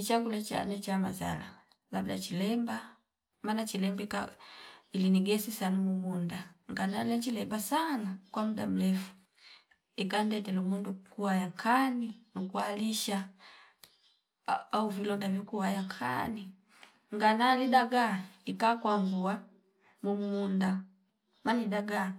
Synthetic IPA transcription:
it͡ʃaɡulat͡ʃa̰nɛt͡ʃamaza̰la̰ | labdat͡ʃilɛmba | manat͡ʃilɛmbika | iliniɡɛsisanamuɡundaŋɡanalɛt͡ʃilɛmbasanakwamuda̰m̩lɛfu̥ | ikandɛtɛlumundukuhajaŋkʰaninukualiʃa | auvilɔŋdavikuwajaŋkʰa̰ni | ŋɡanalidaɡaikakwambua | mumunda | manidaɡa

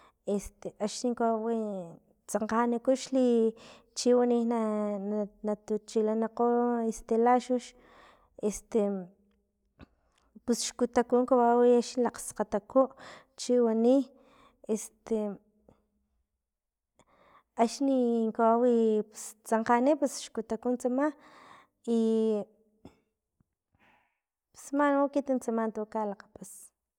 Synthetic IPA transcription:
est̪eʔaʃniŋkaawi | t͡saɴqanikuʃli | t͡ʃiwanihna | nat̪ut͡ʃilanaqoest̪elaʃuʃ | est̪e | pusʃkut̪akuŋkawawiaʃilaqsqat̪akoʔ | t͡ʃiwani | est̪e | aʃniŋkawawipust͡saɴqanipusʃkut̪akunt͡sama | i | psmanokit̪int͡samant̪okalaqḁpas

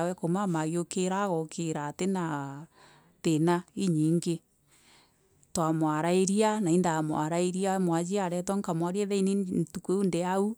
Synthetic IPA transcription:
wɛkomamaɣjokeɾaɣɔkʰeɾatena | tenaiɲiːŋɡe | twamwaɾaeɾianaindamwaɾaeɾiamwad͡ʒiaɾɛtwɔŋkamwaɾiɛðɛinentukeundeau

